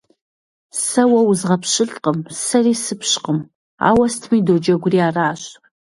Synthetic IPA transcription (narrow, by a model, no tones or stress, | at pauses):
sɐwɐwʊzʁɐpʰɕɪɬʼqəmsɐriːsɨpʰɕqəm | a̰ːwɐstʰmiːdoːd͡ʒɐɡʷʊriaːraːɕʼ